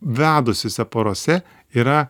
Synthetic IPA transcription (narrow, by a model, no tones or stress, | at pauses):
ʋʲæːd̪ʊsʲosʲɛpɐɾoːsʲɛ | iːɾɐ